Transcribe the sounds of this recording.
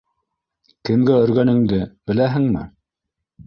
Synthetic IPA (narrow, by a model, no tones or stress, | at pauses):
kɘ̆mɡæɵ̆ɾɡænɘ̆ŋd̪ɘb̥ɘ̆læɦɘ̆ŋmɘ̰